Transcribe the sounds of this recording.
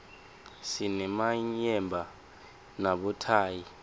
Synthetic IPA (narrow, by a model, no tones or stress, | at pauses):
sinɛmaɲɛmbʱa | naɓɔtʰaːji